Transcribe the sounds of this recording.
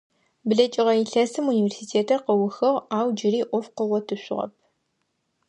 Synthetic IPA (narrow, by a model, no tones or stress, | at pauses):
bɨɮɐt͡ʃʼɪʁɐiɬɐsɨmuniːvʲersiːtʰeːtʰɐrqɐwʊxɐʁaːwd͡ʒɪɾiːʔʷɔfqəʁʷɔtʰɨɕʷɪ̰ʁɐ̰p̚ʰ